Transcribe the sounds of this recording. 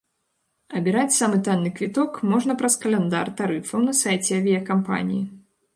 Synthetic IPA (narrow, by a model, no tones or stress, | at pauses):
ɐbʲiɾat͡sʲsamɨt̪anːɨkvʲit̪ɔkmɔʐnɐpɾɐskɐlʲɛnd̪a̰rt̪aɾɨfɐwnɐsajt͡sʲɛɐvʲijɐkampa̰nʲḭji